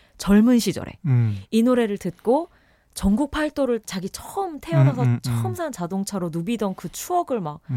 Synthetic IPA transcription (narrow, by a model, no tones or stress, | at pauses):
t͡ɕʌɭmunɕʰid͡ʑʌ̰ɾḛinoɾe̞ɾɯɭtɯt̚k͈o | t͡ɕʌŋɡuk̚pʰaɭt͈oɾɯɭt͡ɕaɡit͡ɕʰʌɯmtʰe̞ʌnasʰʌt͡ɕʰʌɯmsʰant͡ɕadoŋt͡ɕʰaɾonubidʌnkɯt͡ɕʰuʌɡɯɭmak̚